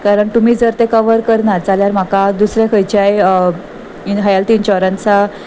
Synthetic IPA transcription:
kaɾəɳt̪um̤iːd͡zəɾt̪ẽkəʋəɾkəɾnaɾt͡saljaɾm̤akad̪usɾjakʰəjt͡ɕaj | iɦajalt̪iːnt͡ɕaʋɾãnt͡sa

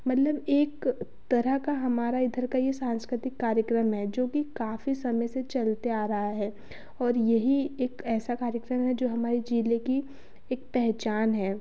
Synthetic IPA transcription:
mɐt̪ləbeːk | t̪ɐɾəɦkaɦɐmaːɾaɪd̪ʱəɾkajesãːnskɾɪt̪ɪkːaːɾjəkɾəmɦɛd͡ʒoːkikaːfisɐməjset͡ʃɐlt̪eaːɾɐɦaɦɛː | ɔːɾjɐɦieːkɛːsakaːɾjəkɾəmɦɛd͡ʒoːɦɐmaːɾed͡ʒiːleki | eːk̚pɛɦt͡ʃaːnɦɛː

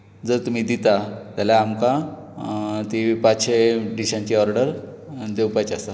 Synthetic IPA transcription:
d͡zəɾt̪um̤iːd̪it̪at̪jalaːmka | t̪ipaɕʰeɖiɕãɲt͡ɕiɔɾɖəɾ | d̪ewpajt͡ɕasa

